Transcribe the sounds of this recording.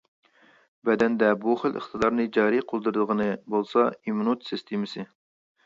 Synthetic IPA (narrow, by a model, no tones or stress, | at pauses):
bɛd̪ɛnd̪ɛbuχəlʔə̰χt̪ʰɨd̪ɑɾnɨd͡ʒɑːɾiqʰolˠd̪ɨɾɨd̪əʁənɨbolˠsɑimnut̪sɨst̪ʰemɨsɨ